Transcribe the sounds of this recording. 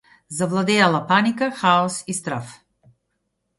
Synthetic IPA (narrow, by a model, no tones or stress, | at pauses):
zavlˠad̪ɛjalˠapanikaxaɔsist̪ɾaf